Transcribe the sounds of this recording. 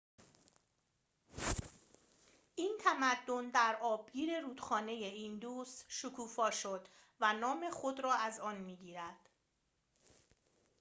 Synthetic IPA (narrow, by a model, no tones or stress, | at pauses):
ʔiːnt̪ʰæmæd̪ːo̞nd̪æɾɒːbɟiːɾe̞ɾuːd̪̥xɒːne̞jeind̪uːst̪ʃokʰuːfɒːʃo̞d̪vænɒːme̞xod̪ɾɒːæzɒːnmiːɟiːɾæd̪̥